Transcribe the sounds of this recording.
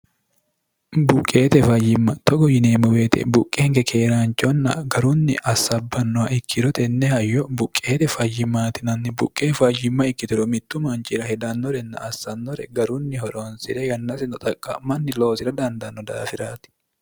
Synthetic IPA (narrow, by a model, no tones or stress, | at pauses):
bʊkʼːeːt̪ɛfɐjːɪmːɐt̪ɔɡɔjɪneːmɔweːt̪ɛ̰bʊkʼːɛhɛŋɡɛkʰe̞ːɾaːnt͡ʃʼːɔnːɐ̰ɡɐɾʊnːɪ̰ʔɐsːɐbːɐnːɔwɐʔɪkʰːɪɾɔt̪ɛnːɛhɐjːɔbʊkʼːe̞ːt̪ɛfɐjːɪmaːt̪ɪnɐnːɪbʊkʼːeːfɐjɪmːɐɪkːɪt̪ɪɾɔmɪt̪ːʊmɐnt͡ʃɪɾɐhɛd̪ɐnːɔɾɛnːɐ̰ʔːsːɐnːɔɾɛ̰ɡɐɾʊnːɪɦɔɾonsɪɾɛjɐnːɐsɪnɔt̪ʼɐkʼːɐmɐnːɪlo̞ːsɪɾɐd̪ɐnd̪ɐnːɔd̪a̰ːfɪɾaːt̪ɪ̥